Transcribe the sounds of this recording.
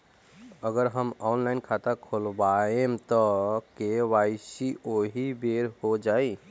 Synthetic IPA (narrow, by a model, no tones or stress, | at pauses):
əɡəɾɦəmɔnlaɪnkʰat̪akʰolbaemt̪ɔkewasioɦibeɾhod͡ʒaj